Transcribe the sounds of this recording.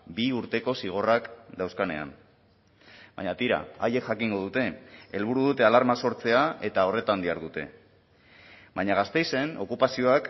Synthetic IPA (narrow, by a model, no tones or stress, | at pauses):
biuɾt̪e̞ko̞siɣ̞o̞rakd̪awskane̞̰a̰n | baɲat̪iɾa̰aje̞kʝakiŋɡo̞ð̞ut̪e̞e̞lβuɾuðut̪e̞alaɾmaso̞ɾt͡se̞ae̞t̪ao̞re̞t̪and̪iaɾðut̪e̞̰ | baɲaɣ̞ast̪e̞jse̞no̞kupasio̞ak